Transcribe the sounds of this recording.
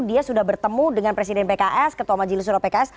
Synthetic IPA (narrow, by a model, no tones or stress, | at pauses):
diasudahbərt̪əmudəŋanpɾes̬idɛnpekaʔɛskət̪uwamad͡ʒilis̬uɾapekaɛs